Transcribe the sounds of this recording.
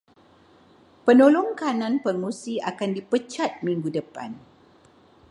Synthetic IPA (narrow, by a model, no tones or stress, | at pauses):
pənolʊŋkanãnpərmusiakandipət͡ʃat̪̚mĩŋɡudəpa̰n